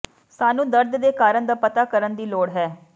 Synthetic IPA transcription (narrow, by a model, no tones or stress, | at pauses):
saːnũːd̪əɾd̪d̪eːkaːɾəɳd̪aːpət̪aːkəɾənd̪iːloːɽɦɛː